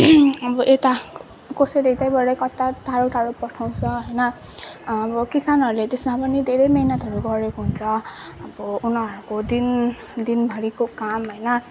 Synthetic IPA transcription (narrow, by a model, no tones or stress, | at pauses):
ʌbʌʔet̪a | koseɾʌjt̪ajbʌɾʌjkʌt̪ːaʈ̪ʰaɾoʈʰaɾopʌʈʰaw̃t͡sʰʌɦʌjnʌː | bʌkisanɦʌɾulet̪esmapʌnid̪ʱeɾʌjmʌɦinʌt̪ʌɾuɡʌɾekoɦunt͡sʰʌʌbʌunʌɾukod̪in | d̪inbʱʌɾikokamɦʌjnʌ